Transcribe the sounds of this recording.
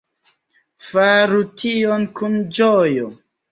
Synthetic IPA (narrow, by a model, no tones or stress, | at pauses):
faɾutʰionkund͡ʒojo